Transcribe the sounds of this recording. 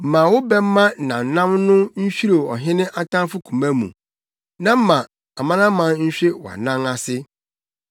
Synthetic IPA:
m̩˨mã˨wʊ˦bɛ˦m̩˦mːã˦nã˨n̩˨nã˦mnʊ̃˦ɲ̩˦ɕᶣi˦ɾo˨ɔ˨ɦɪ̃˦nɪ̃˦ʔa˦tʰã˦fʊ˦kʰũ˨mã˦mṵ̃˨ | nã˦m̩˦mã˨ | a˨mã˦nã˦mã˨ɲ̩˦ɕᶣe˦wa̰˨nã˦ŋa˦sɪ˦

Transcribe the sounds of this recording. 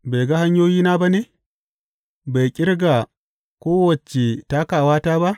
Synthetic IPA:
ba˨jɡa˦ha˦ɲjoː˦jiː˦na˦ba˦ne˨ | ba˨jkʲʼɪ˦ɾɡa˨ | kʷoː˦wɐ˨t͡ʃe˨ta˦ka˨waː˦taː˦ba˦ʔ

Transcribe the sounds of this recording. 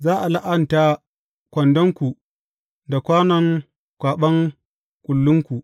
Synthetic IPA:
zaː˦ʔa˨la˦ʔɐ˦nta˦ | kʷɐ˨ndɔ˦ŋkʷu˨ | da˨kʷaː˦nɐ˨ŋ | kʷaː˨ɓɐ˦ŋ | kʷʼʊ˨lːʊ˦ŋkʷu˨ʔ

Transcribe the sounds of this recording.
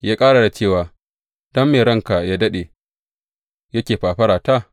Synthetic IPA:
jaː˦kʼaː˦ɽa˨da˨t͡ʃeː˦˨waː˨ | d̥ɐ˦mːeː˨ɾɐ˦ŋka˨jaː˦dɐ˦ɗeː˨ | jɐ˦kʲeː˨ɸaː˨ɸɐ˦ɾaː˨taː˦

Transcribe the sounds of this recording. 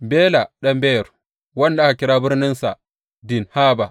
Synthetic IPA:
beː˦la˨ɗɐ˦mbe˦jɛ˨ɾ | wɐ˦nlaː˦ka˨kʲɪ˦ɾaː˦bɪ˦ɾnɪ˦nsa˨ | dɪ˨nhaː˦ba˨

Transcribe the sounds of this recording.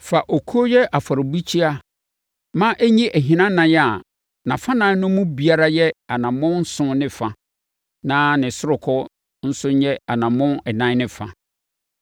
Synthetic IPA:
fa˨ʔo˨kʰu˦o˦jɛ˦ʔa˨fa˨ɾɪ˨bi˦t͡ɕʰi˦a˦ | mã˦ʔæ˦ɲĩ˦ʔæ˨ɦĩ˨nã˦nã˨jɛ˦a˨ | nã˨fa˦nã˦nʊ̃˦mũ˦bi˨a˦ɾa˦jɛ˦a˨nã˨mʊ̃˦n̩˦sʊ̃˦nɪ̃˦fa˨˦ | nãː˦nɪ̃˨sʊ˦ɾʊ˨kʰɔ˦ | n̩˦sʊ˦ɲ̩˦ɲɛ˦a˨nã˨mʊ̃˦nɛ˨nã˦nɪ̃˨fa̰˨

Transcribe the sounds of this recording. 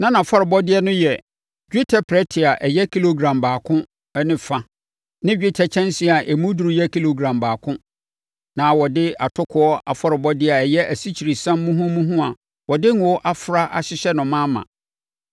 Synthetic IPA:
nã˦nã˨fɔ˦ɾɪ˨bɔ˦dɪ˦ɛ˦nʊ̃˦jɛ˨ | d͡ʒᶣi˦tʰɛ˨pʰɾɛ˦tʰɪ˨a˨ʔɛ˨jɛ˦kʰi˦lo˨ɡɾã˨mbaː˨kʰʊ̃˦ | ɛ˦nɪ̃˦fã˨ | nɪ̃˦ɥᶣi˦tʰɛ˨t͡ɕʰɛ̃˦nsĩ˦˨a˨ʔɛ˨mũ˦du˨ɾu˨˦jɛ˦kʰi˦lo˨ɡɾã˨mbaː˨kʰʊ̃˦ | nã˨wɔ˨dɪ˦a˨tʰʊ˦kʰʊ˦ɔ˦ʔa̰˨fɔ˦ɾɪ˨bɔ˦dɪ˦a˨ɛ˨jɛ˦ʔæ˨si˦t͡ɕʰi˨ɾi˨sã˦m˦mũ˦ɦũ˦mũ˦ɦũ˦a˨ | wɔ˨dɪ˦ŋ˨ɔ˦ʔa˦fɾa˦ʔa̰˨ɕɪ˦ɕɛ˦nʊ̃˨mã˦mã̰˨

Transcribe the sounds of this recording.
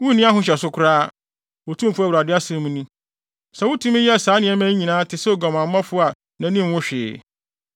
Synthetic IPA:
wʊ̃˦nĩ˦a˦ɦʊ̃˦ɕ̬ɛ˨sʊ˦kʰʊ˦ɾaː˦ | o˨tʰũ˦m˨fʊ˦æ˦wɾa˨dɪ˦a˦sã˦mũ˦nũ˦ | sɛ˨wʊ˦tʰũ˦mɪ̃˦jɛ˦a˨saː˨˦nɪ̃˨˦ɛ˦mæ̃˦ɲ˦ɲĩ˨nãː˨˦tʰɪ˨sɛ˦o˨ɡã˨mã˨mː˦ã˦fʊ˦a˨ | nã˨nĩ˦m˦wʊ̃˦ɕᶣɪ̰ː˨

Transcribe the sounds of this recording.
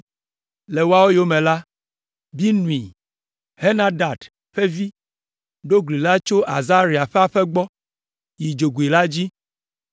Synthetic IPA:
le˨wo˦a˦wo˦jo˦mẽ˨la˦ | bi˦nũ˨i˨ | he˦na˦da˨d | ɸe˦vi˦ | ɖo˦ɡli˨la˦t͡ʃo˦ʔa˨za˦ɾi˨a˨ɸe˦a˨ɸɛ˦ɡ͡bɔ˦ | ji˨d͡ʒo˨ɡu˨i˨la˦d͡ʑi˦

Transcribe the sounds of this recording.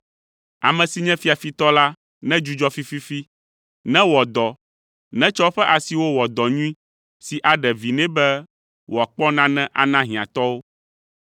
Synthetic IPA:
a̰˨mɛ̃˨si˨ɲɛ̃˦fi˦a˨fi˦t̪ɔ˦la˦ | nɛ̃˦d͡ʒu˦d͡ʒɔ˦fi˦fi˦fi˦ | nɛ̃˦wɔ˨d̪ɔ˨ | nɛ̃˦t͡ʃɔ˦ɸɛ˦ʔa˨si˨wo˦wɔ˨d̪ɔ˨ɲũ˦ĩ˦ | si˨ʔa˨ɖɛ˨vi˨nɛ̃˦bɛ˦ | wo˨a˨k͡pɔ˦nã˦nɛ̃˦ʔa˨nã˦ɦĩ˨ã˨t̪ɔ˦wo˦

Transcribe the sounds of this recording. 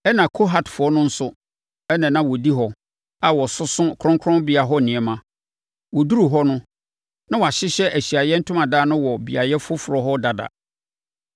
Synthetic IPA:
ɛ˦nã˨kʰo˦ɦa˨tfʊ˨ɔ˦nʊ̃˦n̩˦sʊ˦ | ɛ˦nã˨nã˦wɔ˨di˦ɦɔ˨ | a˨wɔ˨sʊ˦sʊ̃˦˨kʰɾɔ̃˦ŋkʰɾɔ̃˦nbɪ˦a˨ɦɔ˦nɪ̃˨ɛ˨mã˨ | wɔ˨du˦ɾu˨ɦɔ˦nʊ̃˦ | nã˦wa˨ɕɪ˦ɕɛ˦ʔæ˨ɕi˨a˨jɛ˦n̩˦tʰʊ̃˦mã˨daː˦nʊ̃˦wɔ˨bi˨a˨jɛ˦fʊ˦fʊ˨ɾɔ˨ɦɔ˦da˨da̰˨

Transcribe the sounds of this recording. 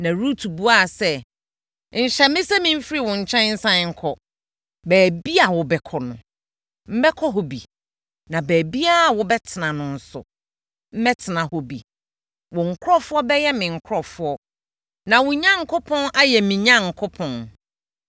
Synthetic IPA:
nã˨ɾu˦tʰu˨bu˦a˦˨sɛ˦ | n̩˨ɕɛ˨mɪ̃˦sɛ˦mɪ̃˦m̩˦fi˦ɾi˦˨wɔ̃˨ɲ̩˨t͡ɕʰɛ̃˦n̩˦sã˦ŋ̩˦kʰɔ˨ | bæː˨bi˦a˨wʊ˨bɛ˨kʰɔ˨nʊ̰̃˨ | m̩˦bɛ˦kʰɔ˦ɦɔ˨bḭ˨ | nã˨bæː˨bi˦a˦˨wʊ˦bɛ˦tʰɪ˨nã˨nʊ̃˨n̩˦sʊ̰˨ | m̩˦mɛ˦tʰɪ˨nã˨hɔ˨bḭ˨ | wɔ̃˨ŋ̩˨kʰʊ˦ɾɔ˦fʊ˦ɔ˦bɛ˦jɛ˦mɪ̃˨ŋ̩˨kʰʊ˦ɾɔ˨fʊ˦ɔ˦ | nã˨wʊ̃˨ɲã˦ŋ̩˨kʰʊ˦pʰɔ̃˦nʔa˦jɛ˨mĩ˨ɲã˦ŋ̩˨kʰʊ˦pʰɔ̃˨n

